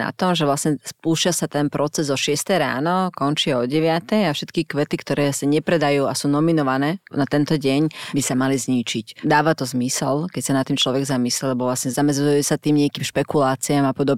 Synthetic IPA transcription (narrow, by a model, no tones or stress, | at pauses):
na̰t̪ɔmʒɛʋlasɲɛspuːʃɪasat̪ɛnpɾɔt͡sɛzɔʃɪɛst̪ɛjɾa̰ːnɔkɔnt͡ʃiaɔɟɛʋɪat̪ɛjafʃɛt̪kikʋɛt̪ikt̪ɔɾɛːsaɲɛpɾɛd̪ajuːasuːnɔminɔʋanɛːnat̪ɛnt̪ɔɟɛɲbisamalizɲit͡ʃicd̪aːʋat̪ɔzmisɛlkɛcsanat̪ːiːmt͡ʃlɔʋɛɡzamislɛlɛbɔʋlasɲɛzamɛd͡zujɛsat̪iːmɲɪɛkiːmʃpɛkulaːt͡siamapɔd̪ɔb